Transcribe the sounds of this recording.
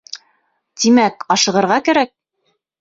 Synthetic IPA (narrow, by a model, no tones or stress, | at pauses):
t̪imækɑʃɤ̆ʁɤ̆ɾʁɑkæɾæk̚